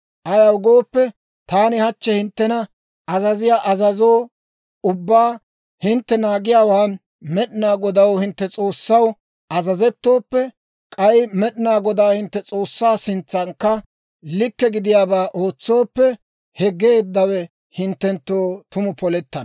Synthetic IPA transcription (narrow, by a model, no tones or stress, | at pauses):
ʔɐjɐwɡo̞ːpːɛ | t̪aːnɪhɐt͡ʃːɛhɪnt̪ːɛnɐ | ʔɐzɐzɪjaʔɐzɐzo̞ː | ʊbːaː | hɪnt̪ːɛnaːɡɪjaːwaːn | mɛɗɪnaːɡɔd̪ɐwhɪnt̪ːɛt͡sʼo̞ːsːɐw | ʔɐzɐzɛt̪ːo̞ːpːɛ | kʼɐjmɛɗɪnaːɡɔd̪aːhɪnt̪ːɛt͡sʼo̞ːsːaːsɪnt͡sːɐŋkːɐ | lɪkːɛɡɪd̪ɪjaːbaːʔo̞ːt͡sːo̞ːpːɛ | hɛɡeːd̪ːɐwɛ | hɪnt̪ːɛnt̪ːoːt̪ʊmʊpɔlɛt̪ːɐn